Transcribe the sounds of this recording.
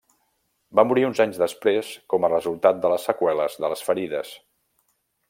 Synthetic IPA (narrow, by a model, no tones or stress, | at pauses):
bamuɾiunzaɲzðəspɾeskɔmərəzulˠt̪at̪̚d̪ələsːəkwɛləzðələsfəɾiðəs